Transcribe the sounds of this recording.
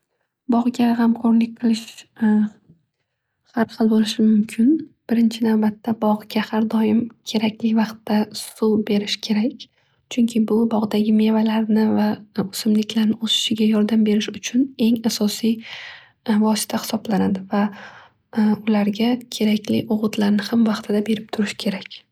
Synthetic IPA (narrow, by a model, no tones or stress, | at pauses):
bɒʁɡʲaɦamqʰoɾnlɪk̚ʲqʰɨlˠɪʃ | haɾχɨlˠbolɪʃɪmʊmkʲʰɪnb̥ɪɾɪnt͡ʃʰɪnavbat̪ːabɒʁɨɡʲahaɾd̪ɒjɪmkʲʰe̞ɾakʲlɪvɑqt̪ːasube̞ɾɪʃkʲʰe̞ɾakʲ | t͡ʃʰʊŋkʲʰɪbʊbɒʁd̪aɡʲɪme̞valaɾnɪvaʊsɪmlɪkʲlaɾnɪosɪ̥ʃɪɡʲajɒɾd̪ambe̞ɾɪʃʊt͡ʃʰʊne̞ŋasɒsij | vɒsɪ̥t̪ʰahɪ̥sɒblanad̪ɪva | ʊlaɾɡʲakʲʰe̞ɾakʲlɪ̰ʔʊʁʊt̪laɾnɪhamvɑqt̪ʰɪd̪abe̞ɾɪp̚t̪ʰʊɾɪʃkʲʰe̞ɾakʲ